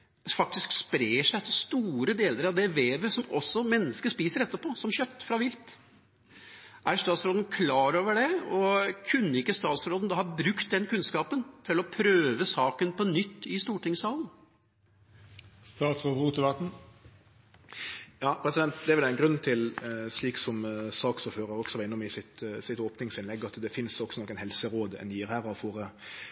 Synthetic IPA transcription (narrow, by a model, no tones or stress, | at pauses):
fɑk̚t̪ɪskspɾeːʂæɪt̪ʰːɪlst̪uːɾəd̪eːləɾɑʋd̪ɛʋeːʋəsɔmɔsːɔmɛnːəskəspiːsəɾɛt̪ːəpʰɔsɔmçœt̪ːfɾɑʋɪlt̪ | ʔæɾst̪ɑːt̪sɾoːd̪n̩kʰlɑːɾoːʋəɖɛɔkʰʉnːəɪkːəst̪ɑːt̪sɾoːd̪n̩d̪ɑhɑbɾʉkt̪̚d̪ɛnkʉnskɑːpənt̪ʰɪlɔpʰɾøːʋəsɑːkənpʰɔnʏt̪ːɪst̪uːʈɪŋsɑːlˠən̩ | st̪ɑːt̪sfɔbʁuːt̪ɪbɑt̪n̩ | jɑːpʰɾɛsɪd̪ɛnt̪d̪ɛæɾʋɛlæɪnɡɾʉnːt̪ʰɪlsɭiːksɔmsɑːksɔføːɾəɾɔksɔʋɪnːɔmɪsɪt̪sɪt̪oːpnɪŋsɪnlɛɡːɑt̪d̪ɛfɪnsɔksɔnɔkːɛnhɛlsəɾoːd̪ɛ̰nd̪jiːɾhæːɾɑʋfoːɾə